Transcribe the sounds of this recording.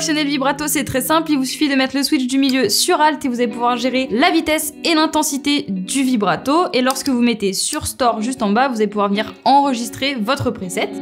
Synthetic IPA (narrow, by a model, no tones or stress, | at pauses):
ksjɔnɛlvibʁat̪osɛt̪χɛsɛ̃plivusy̥fid̪əmɛt̪χləswit͡ʃd̪ymiljøsyʁalt̪evuzalepuvwaʁʒeʁelavit̪ɛs | elɛ̃t̪ɑ̃sit̪ed̪yvibʁat̪oelɔʁskəvumet̪esyʁst̪ɔʁʒyst̪ɑ̃bavuzalepuvwaʁvəniʁɑ̃ʁəʒist̪χevɔt̪χəpχesɛt̪